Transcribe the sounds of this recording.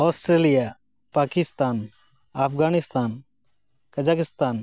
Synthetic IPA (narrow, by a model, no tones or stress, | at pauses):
ɔːsʈɾelija | paːkɪst̪aːn | apʰɡaːnɪst̪aːn | kɐd͡ʒaːkɪst̪aːn